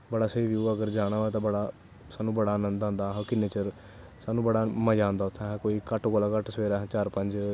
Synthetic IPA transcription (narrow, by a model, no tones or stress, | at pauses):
bəɽaːsəiːʋjuːəɡəɾd͡ʒaːɽ̃aːʋɛːt̪ãːbəɽaː | saːnũːbəɽaːnənd̪ãːnd̪aːɦokɪneːt͡ʃəɾ | saːnũːbəɽaːməd͡ʒãːnd̪aːʊt̪ʰːãkoːiːkəʈɡoːlaːkəʈsəʋeːɾaːɦt͡ʃaːɾpəɲd͡ʒ